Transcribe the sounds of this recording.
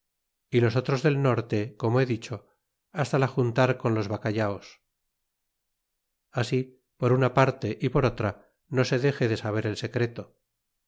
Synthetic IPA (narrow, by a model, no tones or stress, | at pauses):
ilo̞s̬o̞t̪ɾo̞zðe̞lno̞ɾt̪e̞ko̞moe̞ðit͡ʃo̞ | ast̪alaxunt̪aɾko̞nlo̞zβakaʎaos | asi | po̞ɾunapaɾt̪e̞ʔipo̞ɾot̪ɾa | no̞se̞ðe̞xe̞ðe̞saβ̞e̞ɾe̞lse̞kɾe̞t̪o̞